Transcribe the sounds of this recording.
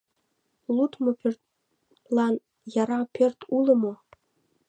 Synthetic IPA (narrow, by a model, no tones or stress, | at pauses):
lut̪mŏpørt̪̚ | lˠɑn | jɑɾɑpʲørt̪ʰulɤ̆mŏ